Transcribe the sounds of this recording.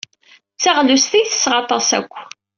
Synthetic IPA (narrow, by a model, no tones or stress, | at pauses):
t͡sːaʁlust̪ijθə̥sːʁɑt̪ˤɑsæ̰kʷː